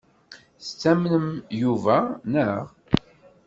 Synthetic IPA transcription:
θt͡sːæmnəmjuvænəʁ

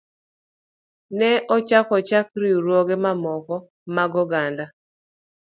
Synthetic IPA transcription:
nɛʔɔt͡ʃakɔt͡ʃak̚ɾiuɾwoɡemamɔkɔ | maɡɔɡanda

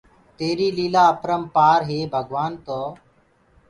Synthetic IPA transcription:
t̪eːɾiːliːlaːəpʰɾəmpaːɾɦeːbʱəɡʋaːnt̪oː

